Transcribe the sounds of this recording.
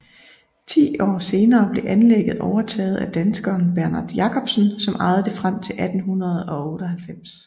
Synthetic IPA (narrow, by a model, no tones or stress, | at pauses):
t͡sʰḭːɒ̰ːse̝ːnɐːb̥le̝ʔænleɡ̥əð̩ˠʔɒʊɐt͡sʰɛ̰ːð̞̩ˠæd̥ænsɡ̥ɒːnb̥æɐnɑ̈d̥jɑ̈kʰɒ̽b̥sn̩sɒ̽mʔɑ̈ɪð̩ˠd̥efʁam̰t͡sʰe̝lʔæd̥n̩ɦunɐð̞ˠɒ̽ɔ̽ːɾɒɦælfem̰s